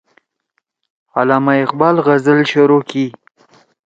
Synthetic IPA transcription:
alɑːmaɪqbɑːlɣazəlʃʊɾoki

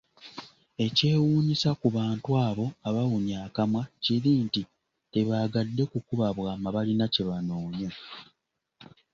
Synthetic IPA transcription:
e̞ce̞ːwuːɲisakuβaːntwaːβo̞aβawuɲaːkamwaciɾiːnti | te̞βaːɡadːe̞kukuβaβwaːmaβalinaceβanoːɲa

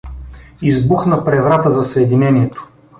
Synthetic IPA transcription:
izbuxnəpɾɛvɾat̪əzɐsɛd̪inɛniɛt̪o̥

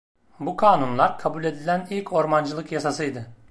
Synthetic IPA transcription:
bukʰaːnunlˠaɾkʰabulʲe̞d̪ilʲænilʲcʰo̞ɾmand͡ʒɯlˠɯkjasasɯjd̪ɯ

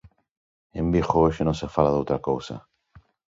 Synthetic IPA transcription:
embixoeʃenosefalaðowt̪ɾakowsa̰

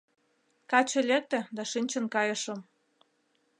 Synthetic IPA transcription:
kɑt͡ɕĕlʲek̚t̪ĕd̪ɑʃinʲt͡ɕə̆nkɑjə̆ʃɤ̆m

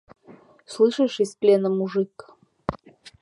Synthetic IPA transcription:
slˠɨʂəʂɪsʲplʲenəmuʐɨk

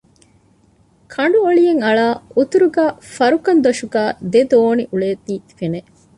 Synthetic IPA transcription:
kʰɐɳɖuoɭijeŋɐɭaːut̪uɾuɡæːfɐɾukɐnd̪oʃuɡæːd̪ed̪oːniʔuɭeːt̪ːiːfene

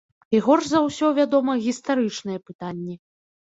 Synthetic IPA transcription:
iɣɔrzɐwsʲɔvʲad̪ɔmɐɣʲist̪aɾɨt͡ʂnɨjɛpɨt̪anʲːi

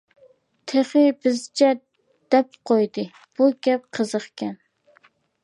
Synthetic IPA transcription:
t̪ʰeχɨbɪzt͡ʃʰɛ | d̪̥ɛp̚qʰojd̪ɨ | b̥uɡʲɛp̚qʰəzəχkʲɛn

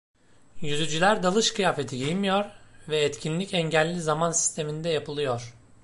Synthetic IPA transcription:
jyzyd͡ʒylʲæɾd̪alˠɯʃkʰɯjaːfet̪ʰijejimijoɾvɛːt̪cʰinlʲicʰɛɲɟɛlʲːizamansi̥st̪ʰe̞mind̪ɛjapʰɯlˠɯjoɾ̥

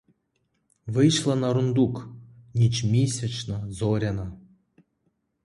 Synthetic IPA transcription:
vɨjʃlˠanɐɾund̪uknʲit͡ʃmʲisʲat͡ʃnɔzɔɾʲana

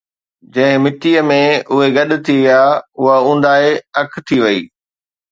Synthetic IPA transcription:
d͡ʑɐ̃ɦɪ̃mɪʈijəmẽʊɦeɡɐɗʊ̆t̪ʰiʋijaːʊɦaũːn̆d̪aːeɐkʰt̪ʰiʋɐiː

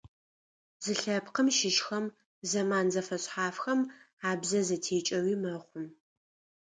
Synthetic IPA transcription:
zɨɬɐpqəmʃɪʃxɐm | zɐmaːnzɐfɐɕħaːfxɐm | aːbzɐzɐtʰeːt͡ʃʼɐwiːmɐχʷʊm

